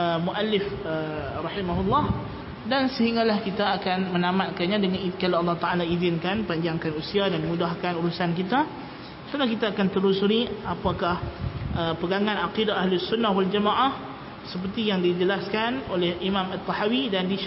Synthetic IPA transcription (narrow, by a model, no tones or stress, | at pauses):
əmuʔalɪfərɑhimaɦulːɑh | dansəɦiŋɡalahkit̪aːkanmənamat̪̚kaɲãdəŋanikalaɑlːɑht̪aʔalaizɪnkanpaɲd͡ʒaŋkanusiadanmũdahɦkanuɾusankit̪a | slahkit̪aːkant̪əɾusuɾiapakahʔəpəɡaŋãnaqidaaɦlusunːahwald͡ʒamaʔah | səp̬ərt̪ijaŋdid͡ʒəlaskanolɛhimãmat̪ːahawidandi